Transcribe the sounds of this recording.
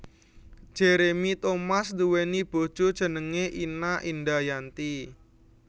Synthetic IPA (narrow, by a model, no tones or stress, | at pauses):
ʒ̥eɾemit̪omasduwenib̥o̤d̥ʒ̥od̥ʒ̥ə̤nəŋeʔinaʔindajant̪i